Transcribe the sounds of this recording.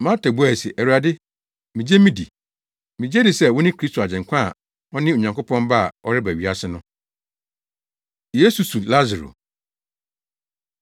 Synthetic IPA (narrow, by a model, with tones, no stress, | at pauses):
mã˦tʰa˨bu˦æ˨si˨ʔæ˨wu˨a˨dɪ˦ | mĩ˨d͡ʑe˦mĩ˦dḭ˨ | mĩ˨d͡ʑe˦dɪ˨sɛ˦wʊ˦nɪ̃˦kʰi˦stʰo˨a˨d͡ʑɪ̃˨ŋ˨kʷʰã̰˦˨ | ɔ˦nɪ̃˦o˨ɲã˨ŋkʊ˦pʰɔ̃˦mba˦a˨ʔɔ˦ɾɪ˦bæ˨ɥi˦a˦sɪ˦nʊ̃˦ | je˦su˨su˨la˦za˨ɾo̰˨